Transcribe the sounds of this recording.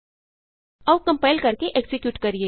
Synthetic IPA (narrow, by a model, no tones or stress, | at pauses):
ɐʋkɐ̃mpaːɪlkɐɾkeʔeksɪkjuːʈkɐɾieː